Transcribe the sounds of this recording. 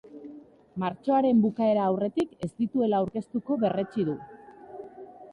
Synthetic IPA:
maɾt͡ʃoaɾe̞mbukae̞ɾaːwre̞t̪ike̞st̪it̪ue̞laːwɾke̞st̪uko̞βe̞re̞t͡ʃiðu

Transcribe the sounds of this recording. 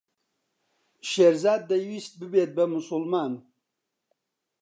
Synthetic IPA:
ʃeɾzaːd̪̚ːajwist̪̚bɨbet̪̚bamusulmaːn

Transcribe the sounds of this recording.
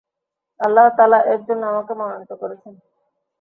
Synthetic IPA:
ɐlːaɦt̪aːlaʔɛk̚d͡ʑonːamakemɔnonit̪okoɾet͡ɕʰen

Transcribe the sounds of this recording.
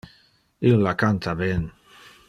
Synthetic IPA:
ilːakant̪aβen

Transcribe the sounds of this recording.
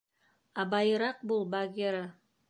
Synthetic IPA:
ɑbɑjɤ̆ɾɑq̚bulˠbɑɡʲeɾə

